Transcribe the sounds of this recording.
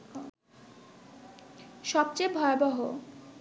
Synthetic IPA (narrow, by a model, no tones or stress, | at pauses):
ʃɔb̚t͡ɕejbʱɔeobɔɦo